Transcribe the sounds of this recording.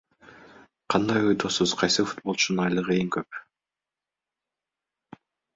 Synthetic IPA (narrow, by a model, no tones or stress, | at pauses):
qʰɑnd̪ɑjojd̪osuzqʰɑjsɯfu̥t̪̚bo̞lˠt͡ʃunnɑjlˠɯʁɯeŋkøp̚